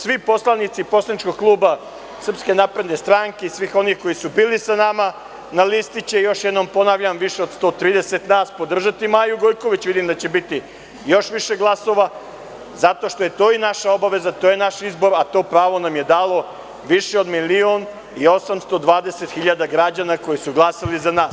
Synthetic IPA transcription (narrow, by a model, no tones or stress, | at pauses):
sʋipo̞slˠanit̪sipo̞slˠanit͡ʃko̞ɡ̚klˠuːba | sr̩pske̞napɾe̞d̪ne̞st̪ɾaːŋke̞isʋixo̞nixko̞jisubiːlisanama | nalist̪it͡ɕejo̞ʃjed̪no̞mpo̞naʋʎamʋiʃeod̪st̪o̞t̪ɾiːd̪e̞set̪naːspo̞d̪r̩ʒat̪imaːjuɡojko̞ʋit͡ɕʋid̪imd̪at͡ɕe̞bit̪i | jo̞ʃʋiʃeɡlˠaso̞ʋa | zat̪o̞ʃt̪o̞je̞t̪o̞ːinaʃao̞baʋe̞zat̪ojenaʃizbo̞ɾat̪o̞ːpɾaːʋo̞namje̞d̪aːlˠo̞ | ʋiʃeo̞d̪milio̞n | io̞samst̪o̞d̪ʋaːd̪e̞set̪xiʎad̪aɡɾad͡ʑanako̞jisuɡlˠasalizanaːs